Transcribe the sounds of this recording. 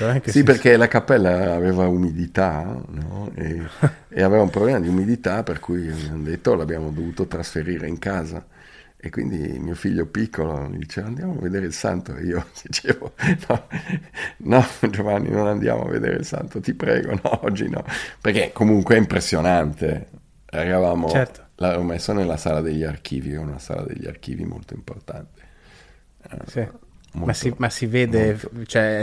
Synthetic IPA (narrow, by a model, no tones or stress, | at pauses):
siperkelakapːɛlːaːvɛːvaumid̪it̪anɔɛ̰ | ḛavɛvaũmpɾoblɛmad̪iumid̪it̪aperkujavjamod̪et̪ːolabjaːmod̪ovuːt̪ot̪ɾasfeɾiːɾḛiŋkaːza̰ | ekːwḭnd̪ḭmiːofiʎːopikʰːolo̰mḭd̪it͡ʃɛːvand̪jaːmoa̰vːed̪eːɾeilsa̰nt̪oḛiːod̪̥it͡ʃeːvonɔ | nɔd͡ʒovanːḭnonand̪ja̰ːmoa̰vːḛd̪ḛːɾḛilsa̰nt̪ot̪ipɾɛ̰ːɡo̰nɔɔd͡ʒːḭnɔ̰perkekomuŋkweɛimpɾesːjonant̪e | eɾɾavaːmot͡ʃɛɾt̪o̥laomesːonelːasaːlad̪eʎːiark̟ʰiːviɛunasa̰ːla̰d̪ḛʎːia̰rkiːvḭmo̰lt̪oimport̪a̰nt̪e̥̰ | imommasiveːd̪et͡ʃoɛ